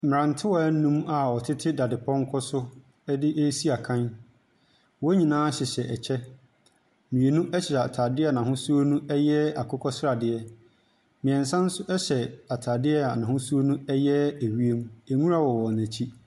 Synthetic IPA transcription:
m˨ɾã˨n˨tʰɪ˦wɔ˨æ˦nũ˦ma˨ɔ˨tʰɪ˦tʰɪ˦da˨dɪ˨pʰɔ̃˦ŋ˦kʰɔ˦sʊ˦ | dɪ˦ʔe˦si˦a˨kʰã˦n | wɔ˦ɲĩ˨nãː˦ɕɪ˨ɕɛ˨ʔɛ˨t͡ɕʰɛ˦ | mĩ˨e˨nũ˦ʔɛ˦ɕɪ˨a˨tʰaː˨dɪ˦a˨nã˨ɦʊ̃˦su˦o˦nũ˦ɛ˦jɛ˦a˨kʰʊ˦kʰɔ˦sɾa˨dɪ˨ɛ˦ | mɪ̃˨ɛ̃˨n˨sã˦n̩˦sʊ˦ʔɛ˦ɕɛ˨a˨tʰaː˨dɪ˦ɛ˦a˨nã˨hʊ̃˦su˦o˦nũ˦ɛ˦jɛ˦æ˨ɥi˦e˦mæ˨ŋũ˦ɾa˦˨wɔ˨wɔ˨næ̃˨t͡ɕʰi˦

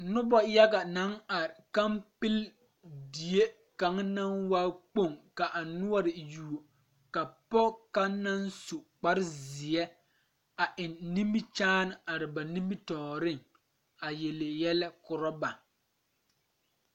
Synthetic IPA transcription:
nʊ˦bɔ˦ja˦ɡa˨na˨˦ŋa˨ɾɪ˨ka˦mpɪ˦l | di˨e˦ | ka˨˦ŋ˦na˦nwa˦k͡po˦˨ŋka˨ʔa˨nʊ˦ɔ˦ɾɪ˨ju˨o˨ | ka˨pɔ˦ka˦na˦nsu˨k͡pa˦ɾɪ˦zɪ˨ɛ˦ | a˨ʔɪ˨nːi˦mi˦t͡ʃaː˦nɪ˨a˨ɾɪ˨ba˨ni˦mi˦tɔː˨ɾɪ˦˨ŋ | a˨je˨le˨jɛ˦lɛ˦kʊ˨ɾɔ˦ba˨

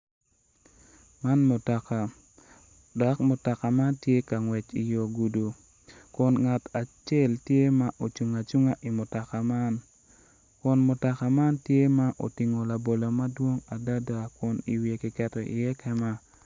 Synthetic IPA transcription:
ma˦nmʊ˨ta˨ka˨ | dɔ˨kmʊ˨ta˨ka˨ma˦ntje˦ka˨ŋwɛ˨t͡ʃi˨jo˨ɡu˨du˨ | kʊ˨nŋa˨tʰa˨t͡ʃe˦˨ltje˦ma˦ʔo˨t͡ʃu˨ŋa˨t͡ʃu˦ŋa˦ʔi˨mʊ˨ta˨ka˨ma˦n | kʊ˨nmʊ˨ta˨ka˨ma˦ntje˦ma˦ʔo̰˨ti˨ŋo˨la˨bo˨lo˨ma˦dwo˦ŋa˨da˦da˨kʊ˨nḭ˨wje˨ki˨kɛ˨tɔ˨ʔɪ̰˨jɛ˦kɛ˦ma˦

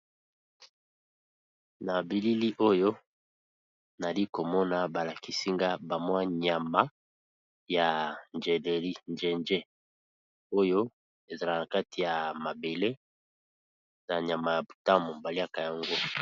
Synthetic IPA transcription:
na˨bi˨li˦li˦ʔo˦jo˦ | na˨li˦ko˨mɔ˦na˨ba˨la˨ki˨si˦ŋɡa˦ba˨mwa˦ɲa˨ma˦ | ja˨nd͡ʒe˨le˨li˦nd͡ʒe˨nd͡ʒe˦ | o˦jo˦ | e˨za˨la˨na˨ka˦tʰi˨ja˨ma˨be˨le˦ | na˨ɲ˨a˨ma˨ja˨bu˨ta˦mo˨ba˨li˦a˦ka˨ja˨ŋɡo˦

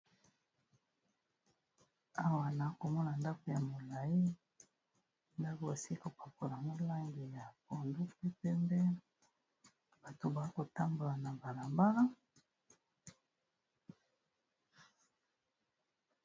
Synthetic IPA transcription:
a˦wa˨na˨˦ko˨mɔ˦na˨nda˦ko˨ja˨mo˨la˨i˦ | nda˦ko˨ba˨si˦i˦ko˨pa˨po˨lŋɡo˦la˦ŋɡi˨ja˨po˨ndu˦pe˦pe˦mbɛ˦ | b̥a˨to˨ba˨˦ko˨ta˦mbo˨la˨na˨ba˨la˨mba˦ʁa˦

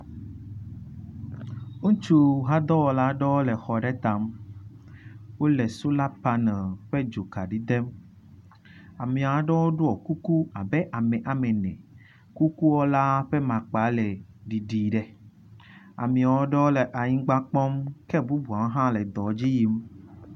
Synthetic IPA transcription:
wo˦t͡ʃu˦˨ɦa˦d̪ɔ˦wɔ˨la˦ɖɔ˦wo˦le˨xɔ˨ɖɛ˦t̪ã˨m | wo˦le˨su˦la˦pa˦nə̃˨ɸe˦d͡ʒo˨ka˨ɖi˦d̪e˦m | a˨mĩ˨a˨˦ɖe˦wo˦ɖo˦ɔ˨ku˦ku˦a˨bɛ˦ʔa˨mɛ̃˨ʔa˨mẽ˨nɛ̰̃˨ | ku˦ku˦wɔ˦la˦ɸe˦mã˨k͡pa˨˦le˨ɖi˨ɖi˨ɖe˦ | a̰˨mĩ˨a˨wɔ˦ɖe˦wo˦le˨ʔa˨ɲĩ˦ɡ͡ba˦k͡pɔ˦mkɛ˦bu˦bu˨a˨˦ɦã˦le˨d̪ɔ˨d͡ʑi˦ji˨m

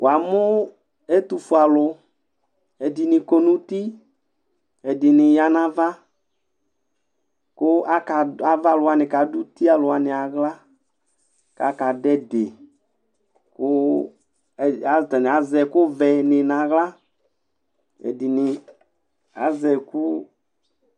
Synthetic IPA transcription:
wa˨mʊ˦ | ɛ˦tu˨fu˨a˨lʊ˧ | ɛ˨dɪ˨nɪ˨ko˨nu˦ti˦ | ɛ˨dɪ˨nɪ˨ja˨na˨va˦ | kʊ˦a˦ka˨a˨va˦˨lʊ˨˦a˨nɪ̃˨ka˨du˦ti˦a˨lʊ˨a˨nɪ˨a˨ɣla˦ | ka˨˦ka˨dɛ˦dɪ˨ | kʊ˦˨ | a˨ta˨nɪ˨a˨zɛ˨kʊ˦vɛ˨nɪ˨na˨ɣla˦ | ɛ̰˨dɪ˨nɪ˨ | a̰˨zɛ˨kʊ˦

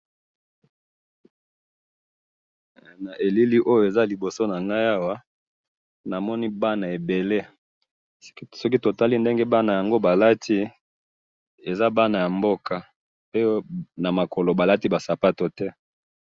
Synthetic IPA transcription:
na˨ʔe˨li˦li˦ʔo˦jo˨e˨za˦li˨bo˨so˦na˨ŋɡa˦ja˦wa˦ | na˨mɔ˦ni˦ba˦na˨e˨be˨le˦ | sɔ˦k̬i˦to˨ta˦li˦nde˦ŋɡe˦ba˦na˨ja˨ŋɡo˦ba˨la˦tʰi˦ | e˨za˦ba˦na˨ja˨mbo˦ka˨ | pe˦na˨ma˨ko˨lo˨ba˨la˦ti˦ba˨sa˨pa˦to˨tɛ˦

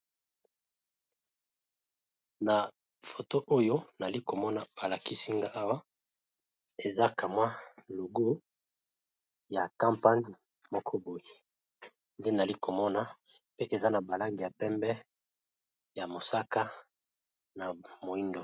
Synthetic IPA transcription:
na˨ | fo˨to˦ʔo˦jo˦na˨li˦ko˨mɔ˦na˨b̥a˨la˨ki˦si˦ŋɡa˦ʔa˦wa˦ | e˨za˦ka˨mwa˦lo˨ɡu˦ | ja˨kã˦mpa˦ɲ | mɔ˦kʰɔ˦bo˨ji˨ | nde˦na˨li˦ko˨mɔ˦na˦ | pe˦ʔe˨za˦na˨ba˨la˦ŋɡi˨ja˨pɛ˦mbɛ˦ | ja˨mo˨sa˦ka˦ | na˨mo˨i˦ndo˨

